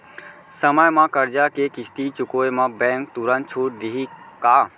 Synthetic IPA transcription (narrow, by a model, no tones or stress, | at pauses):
səməjmãkəɾd͡ʒakekɪst̪it͡ʃʊkoːemãbɛ̃ːŋk̚t̪uɾə̃nt̪̚t͡ʃʰuːʈ̚d̪iɦikaː